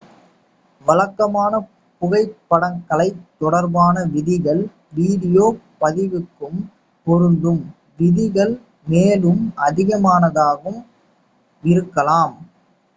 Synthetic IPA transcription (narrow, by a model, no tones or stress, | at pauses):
ʋɐlɐkːɐmaːnɐ | pʊɣɐɪpːɐɽɐŋkɐɭɐɪt̪ːɔɽɐɾbaːnɐʋɪðɪɣɐɭ | ʋiːɽɪjoːpɐðɪʋɯkːɯm | pɔɾɯnd̪ɯm | ʋɪðɪɣɐɭ | meːlɯmʔɐðɪɣɐmaːnɐðaːɣɯm | ɪɾɯkːɐlaːm